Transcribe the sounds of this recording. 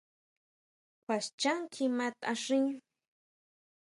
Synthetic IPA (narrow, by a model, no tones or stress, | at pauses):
kʷʰast͡ʃaŋkʰimat̪aʂiŋ